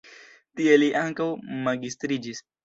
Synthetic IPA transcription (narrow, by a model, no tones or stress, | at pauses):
t̪ieliʔaŋkawmaɡist̪ɾid͡ʒis